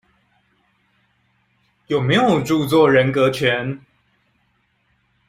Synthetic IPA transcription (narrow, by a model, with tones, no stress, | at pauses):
jo˨˩me˨˧˦ɪjo˨˩ʊʈ͡ʂu˥˧t͡swɔ˥˨ɻə˧˦nkɤ˧˦t͡ɕʰɥɛ˨˧˦n